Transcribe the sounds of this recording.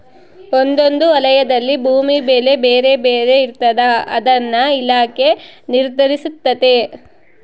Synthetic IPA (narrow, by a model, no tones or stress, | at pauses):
ond̪o̞nd̪uɐlɐjɐd̪ɐlːibʱuːmibe̞ːle̞beːɾe̞beːɾe̞iɾt̪ɐd̪ɐɐ̰d̪ɐnːɐilaːke̞niɾd̪ʱɐɾisut̪ːɐt̪e̞